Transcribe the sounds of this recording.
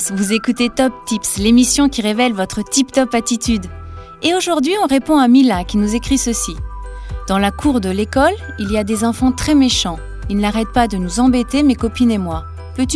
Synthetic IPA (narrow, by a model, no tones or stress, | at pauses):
vuzekut̪et̪ɔp̚t̪ipslemisjɔ̃kʲiʁevɛlvɔt̪χət̪ipt̪ɔpat̪it̪yd̪ | eoʒuʁd̪ɥiɔ̃ʁepɔ̃amilakʲinuzekχisəsi | d̪̥ɑ̃lakʰuʁd̪əlekɔl | iliad̪ezɑ̃fɑ̃t̪χɛmeʃɑ̃ | ilnaʁɛt̪̚pad̪ənuzɑ̃bet̪emekɔpinemwa | pøt̪y